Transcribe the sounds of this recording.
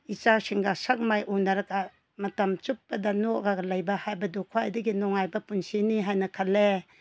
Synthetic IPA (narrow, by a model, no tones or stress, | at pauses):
it͡ʃasiŋɡasak̚majʔunaɾaka | mɐtɐmt͡ʃup̚ːɐdɐnɔɡaɡɐlɐjbɐhajbɐdukʰwajdiɡinɔŋajbɐpunsiniɦajnɐkʰɐlːe